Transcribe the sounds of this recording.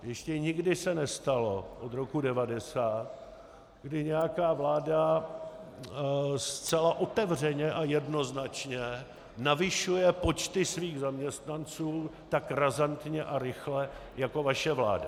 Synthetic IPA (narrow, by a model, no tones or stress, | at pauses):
jɛʃcɛɲɪɡdɪsɛnɛst̪alo̞ʔod̪ɾo̞kudɛvadɛsaːt̪̚ | ɡdɪɲɛjakaːvlaːda | st͡sɛlaʔo̞t̪ɛvr̝ɛɲɛʔajɛdno̞znat͡ʃɲɛ | navɪʃujɛpo̞t͡ʃt̪ɪsviːɣzamɲɛst̪nant͡suːt̪akɾazant̪ɲɛʔaɾɪxlɛjako̞vaʃɛvla̰ːda̰